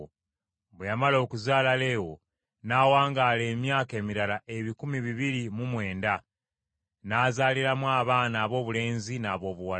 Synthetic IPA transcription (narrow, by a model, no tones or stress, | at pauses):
βwejamalo̞ːkuzaːlale̞ːwo̞̰ | naːwaːŋɡaːle̞ːmjaːke̞ːmiɾalaʔe̞βikumiβiβiɾimumwe̞ːnda | naːzaːliɾamwaːβaːnaːβo̞ːβule̞ːnzinaːβo̞ːβuwa